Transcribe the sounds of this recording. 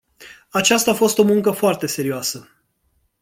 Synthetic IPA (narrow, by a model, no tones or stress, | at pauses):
at͡ʃast̪aːfo̞st̪o̞muŋkəfoart̪e̞se̞ɾioasə